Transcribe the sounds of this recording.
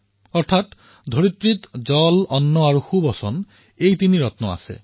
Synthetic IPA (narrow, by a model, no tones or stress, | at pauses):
ɔɾt̪ʰat̪ | d̪ʱoɾit̪ɾit̪d͡ʒɔlɔnːɔaɾuxubɔsɔn | ejt̪iniɾɔt̪nɔa̰sḛ